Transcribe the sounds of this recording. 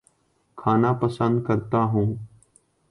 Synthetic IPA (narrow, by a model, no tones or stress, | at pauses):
kʰaːnaːpəsə̃nd̪̚kəɾt̪aːɦũː